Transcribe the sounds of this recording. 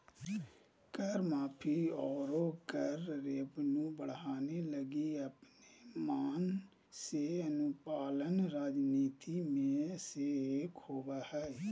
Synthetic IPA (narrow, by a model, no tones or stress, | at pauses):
kəɾmaːpʰiːɔːɾoːkəɾːeːbnũːbəɽɦaːneləɡiːəpnemaːn | seːənʊpaːlənɾaːd͡ʒniːt̪imẽseːeːkhoːʋaːhɛː